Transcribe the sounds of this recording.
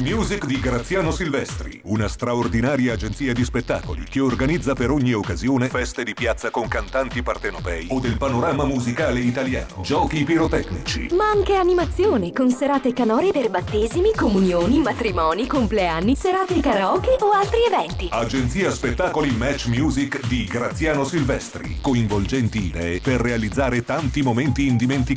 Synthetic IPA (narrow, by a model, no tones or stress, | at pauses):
mjuːzikd̪iɡɾat̪sːjaːnosilvɛst̪ɾḭunast̪ɾaord̪inaːɾjaːd͡ʒent̪siːad̪ispet̪ːa̰ːko̰lḭkeorɡanid̪zːapeɾoɲːiokːazjoːnefɛst̪ed̪ipjat̪sːakoŋkant̪ant̪ipart̪enopɛːiod̪ːelpanoɾaːmamuzikaːleit̪alja̰ːno̰d͡ʒɔːkipiɾot̪ɛknḭt͡ʃḭmaaŋkeanimat̪sːjoːnekonseɾaːt̪ekanɔːɾeperbat̪ːeːzimikomunjoːnimat̪ɾimɔːnikompleanːiseɾaːt̪ekaɾɔːkeʔoalt̪ɾievɛnt̪iad͡ʒent̪siːaspet̪ːaːkolimɛt͡ʃːmjuːzikd̪iɡɾat̪sːjaːnosilvɛst̪ɾḭkoiɱvold͡ʒɛnt̪iːd̪ɛːeperːealid̪zːaːɾet̪ant̪imomɛnt̪iːnd̪iment̪i